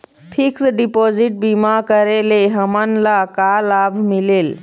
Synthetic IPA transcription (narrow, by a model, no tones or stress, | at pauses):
pʰiksɖipod͡ʒiʈ̚bimakəɾeleɦəmənlakalabʱmilel